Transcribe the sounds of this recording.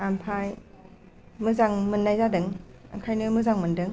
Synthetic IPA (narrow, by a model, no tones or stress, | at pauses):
ampʰaj | mɯzaŋmɯnːajzadɯŋ | a̰ŋkʰajnɯmɯzaŋmɯndɯŋ